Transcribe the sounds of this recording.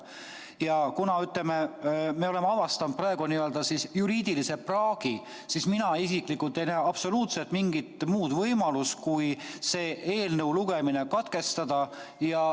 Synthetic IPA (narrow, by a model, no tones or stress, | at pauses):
jɑkunɑyt̪lememeo̞le̞mɑvɑst̪ɑnt̪̚prɑe̞ɡ̥uniøld̪̥ɑsisjuɾiːd̪̥ilise̞prɑːɡ̥i | sisminɑisikˑlikːˑult̪ːˑe̞jnæːɑb̥so̞luːt̪se̞lt̪miŋɡit̪muːd̪̥vɤjmɑluskujse̞ːʔeːlnɤwluɡ̥e̞mine̞kɑt̪ke̞st̪ɑd̪̥ɑ | jɑ